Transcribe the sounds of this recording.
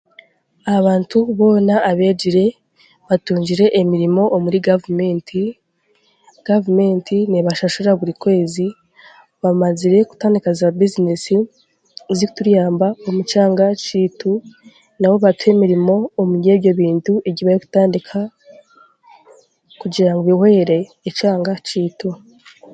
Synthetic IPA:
aβaːntuβo̞ːnaʔːβe̞ːd͡ʒiɾe̞ | βatuːɲd͡ʒiɾe̞ʔemiɾimo̞ʔomuɾiɡavumeːntʰi | ɡ̥avume̞ntʰiniβaʃaʃuɾaβuɾikwe̞ːzi | βamaziɾe̞ku̥taːndikazabizinesi | ziku̥tuɾjaːmbaomut͡ʃaːŋɡat͡ʃiːtu | nawo̞βatwe̞miɾimo̞ːmueβjo̞βiːntueɟiβajeku̥taːndikʰa | kuɟiɾaŋɡoβihe̞ːɾe̞ːt͡ʃaːŋɡat͡ʃiːtu

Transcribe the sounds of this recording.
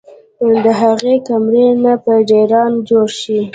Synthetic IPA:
d̪əɦaɣekamɾenapəɖeɾɑnd͡ʒoɾʃi

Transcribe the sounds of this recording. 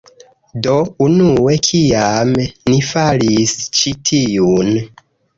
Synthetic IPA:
do̞unue̞kʰiamnifalist͡ʃitʰijun

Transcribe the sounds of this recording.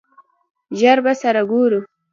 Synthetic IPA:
ʒaɾbasaɾaɡoɾu

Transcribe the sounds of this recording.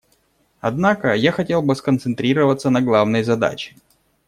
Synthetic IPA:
ɐd̪nakəjaxɐtʲe̞lˠbɨskənt̪sɨnt̪ɾʲiɾəvət̪sːənɐɡlˠavnɨjzɐd̪a̰t͡ɕɪ̥

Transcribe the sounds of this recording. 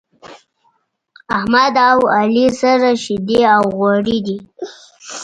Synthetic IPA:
ahmad̪awalisaɾaʃid̪eawɣwaɽid̪i

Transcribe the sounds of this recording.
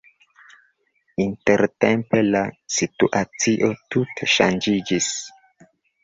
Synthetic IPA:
inteɾtempe̞lasituʔat͡siʔo̞tuteʃand͡ʒid͡ʒis

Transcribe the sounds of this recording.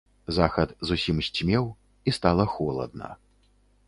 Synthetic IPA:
zaxɐt̪zusʲimsʲt͡sʲmʲɛw | ist̪alˠɐxɔlˠɐ̰d̪̚nɐ̰

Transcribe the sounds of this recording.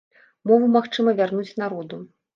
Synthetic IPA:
mɔvumaxt͡ʂɨmɐvʲarnut͡sʲnaɾɔd̪u

